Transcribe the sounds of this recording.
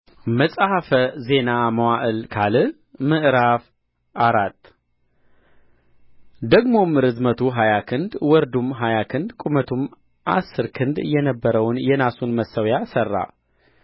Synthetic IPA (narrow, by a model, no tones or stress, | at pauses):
məsʼhafəze̞naməwaʔɨlkʰalɨ | mɨʔɾaf | aɾat̪ː | d̪əɡmo̞mɨɾɨzmət̪ʰuɦajakʰɨnd̪wɔɾd̪umɦajakʰɨnd̪kʼumət̪ʰum | ʔa̰sːɨɾkʰɨnd̪jɛnəbːəɾəwnjɛnasunməsːəwjasərːa̰